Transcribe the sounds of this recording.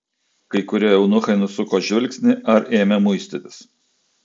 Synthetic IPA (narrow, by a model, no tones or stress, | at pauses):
kɐɪkʊɾʲiɛjɛʊnʊxɐɪnʊsʊkoːʒʲʋʲɪlʲksʲnʲɪʔɐɾʔeːmʲɛmʊɪsʲt̪ʲɪt̪ʲɪ̥s